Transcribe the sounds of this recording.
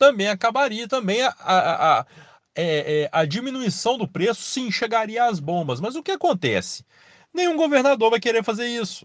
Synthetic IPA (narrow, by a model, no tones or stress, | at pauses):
t̪ɐ̃mbẽj̃akabaɾiɐt̪ɐ̃mbẽj̃ɐa | ɛɛɐd͡ʒimĩnuisɐ̃w̃d̪ʊpɾesʊ̥sɪẽʃeɾɡaɾiɐːzbõbɐsmɐzʊkɪakõnt̪ɛ̰sɪ̥ | nẽj̃ũɡoveɾnad̪oɾvajkeɾefazeɾisʊ̥